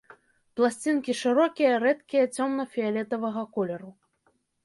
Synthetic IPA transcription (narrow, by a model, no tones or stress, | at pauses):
plˠasʲt͡sʲinkʲiʂɨɾɔkʲijɐɾɛt̪kʲijɐt͡sʲɔmnɐfʲialʲɛt̪ɐvɐɣɐkɔlʲɛɾu